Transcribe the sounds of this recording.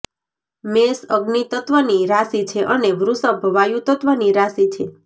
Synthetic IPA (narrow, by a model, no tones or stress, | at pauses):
mesəɡnit̪ət̪ʋəniɾasit͡ʃʰeʔəneʋɾusəbʱəʋajũt̪ət̪ʋəniɾasit͡ʃʰe